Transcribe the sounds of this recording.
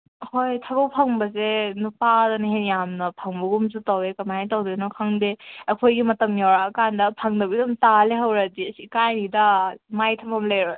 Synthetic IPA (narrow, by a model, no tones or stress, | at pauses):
hojtʰɐbɐpʰɐŋbɐzenupadɐnɐɦenjamnɐpʰɐŋbɐɡumzutawekɐmajntawdinɔkʰaŋdeɐkʰojɡimɐtɐmjawɾaɐkandɐpʰaŋdɐbidumtaleɦɐwɾɐdiɐsikajnidɐmajtʰɐmɐmleɾoj